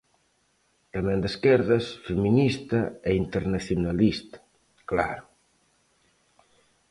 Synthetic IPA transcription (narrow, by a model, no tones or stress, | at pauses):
t̪amẽnd̪eskɛɾðasfeminist̪ɐeint̪eɾnaθjunalist̪ḁ | kla̰ɾu